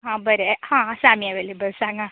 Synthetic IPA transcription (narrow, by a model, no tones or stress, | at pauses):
ɦãbəɾehãsaːmiɛʋelebəlsaːŋɡã